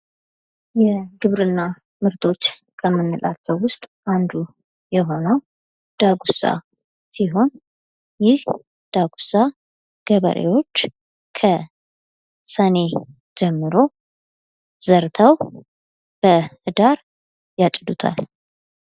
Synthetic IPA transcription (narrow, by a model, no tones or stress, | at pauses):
jɛɡɨβɾɨnːa | mɨɾt̪ʰʼo̞t͡ʃː | kʰəmːɨnːɨlat͡ʃːəwwʊst̪ʼʔand̪u | jɛɦo̞nəw | d̪̥aɡusa̰ | siɦo̞n | jɪh | d̪̥aɡusa | ɡ̥əβə̰ɾʔḛwo̞t͡ʃː | kʰə | səne̞ | d͡ʒɛmːɨɾo̞ | z̥əɾt̪ʰəw | b̥əhɨd̪aɾ | jat͡ʃʼd̪ut̪ʰa̰l